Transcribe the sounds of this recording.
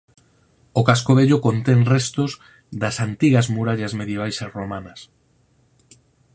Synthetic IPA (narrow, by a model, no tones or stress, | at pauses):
okaskoβeʎokont̪eŋrɛst̪oz | ðɐsant̪iɣɐzmuɾaʎɐzmeðjeβ̞ajsasromanɐs